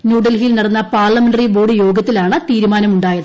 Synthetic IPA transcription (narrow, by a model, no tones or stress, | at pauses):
nuːɽɐlɦijlnɐɽɐnːɐpaːrɭɐmeɳɖɐriboːɽɨjo̞ːɡɐt̪ːilaːɳɨt̪iːɾumaːnɐmuɳɖaːjɐðɨ